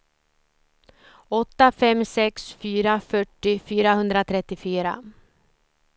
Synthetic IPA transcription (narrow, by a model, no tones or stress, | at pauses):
ɔt̪ːafɛmːsɛksfyːɾafœʈːɪfyːɾahɵnd̪ɾat̪ʰɾɛt̪ːɪfyːɾa̰